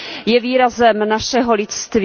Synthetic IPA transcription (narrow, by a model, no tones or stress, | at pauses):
jɛviːɾazɛmnaʃɛɦo̞lɪt̪st̪v